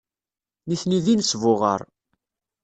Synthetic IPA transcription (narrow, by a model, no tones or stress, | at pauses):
niθniðinsvʊʁə̰ɾˤ